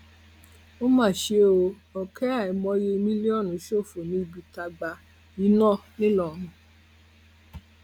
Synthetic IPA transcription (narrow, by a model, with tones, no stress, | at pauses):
o˦mãː˦˨ʃe˧o˧ | ɔ˨kɛ˦a˦˨i˨mɔ̃˧˦je˧mĩ˦le˦ɔ˦˨nũ˨˦ʃo˦˨fo˨nĩ˧˦i˧bi˧ta˧ɡ͡ba˧ | i˨˦nɔ̃˦˨nĩ˦lɔ˦˨nũ˧˦